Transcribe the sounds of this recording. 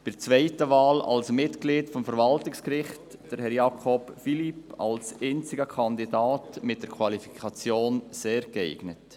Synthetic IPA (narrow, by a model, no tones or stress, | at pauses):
pɪɾt͡svɛɪtəvɑːlɑ̰lsmɪtɡliːtfɔmfəɾvɑltɪkskɾɪχtd̥əɾhɛɾjɑːkʰɔpfilipɑlsɛnt͡sɪɡəkʰɑnd̪idaːtmɪt̚d̥əɾkʰvɑlifi̥kʰɑt͡sjoːnseːɾkɛɪɡ̥nət